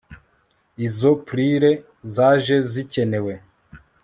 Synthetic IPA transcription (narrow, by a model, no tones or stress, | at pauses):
izo̞pɾiɾe̞ | zaːʒe̞zice̞ne̞we̞